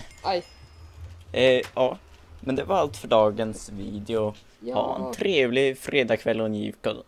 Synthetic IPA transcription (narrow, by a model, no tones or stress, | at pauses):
jɑː | mɛnd̪ɛvaɾalt̪fœɖɑːɡənsviːd̪ɛʊ | ha̰ɛ̰nt̪ʰɾeːvlɪfɾeːd̪ɑːkʰvɛlːɔnjḭːvkɔl